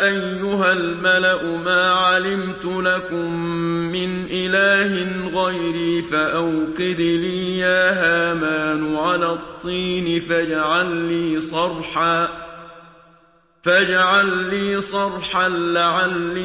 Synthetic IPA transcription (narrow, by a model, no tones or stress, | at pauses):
ʔajːʊɦalmalaʔʊmaːʕalɪmt̪ʊlakʊmːɪnʔɪlaːhɪnɣajɾiːfaʔawqɪd̪liːjaːɦaːmaːnʊʕalaːt̪ˤːiːnɪfad͡ʒaʕalːiːsˤɑrˤħaː | fad͡ʒaʕalːiːsˤɑɾˤħanlaʕalːiː